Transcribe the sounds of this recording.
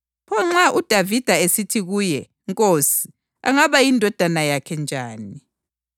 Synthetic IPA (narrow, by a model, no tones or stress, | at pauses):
pʰɔŋ͡ǁaʔud̥ʱavid̥ʱaesitʰiɣuːjɛ | ŋkʼosi̥ | a̰ŋaβajindʱɔd̥ʱanajakʰɛnd͡ʒʱaːni